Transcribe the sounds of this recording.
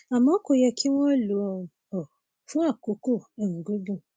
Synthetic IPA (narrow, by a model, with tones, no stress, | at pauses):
a˨mã˦kʊ˨jɛ˦kʰi˦wʷɔ̃˦lu˨˦ɔ˨ | ɔ˨ | fũ˦a˦˨ko˨ko˦a˨ŋ̩˨ɡo˦do˦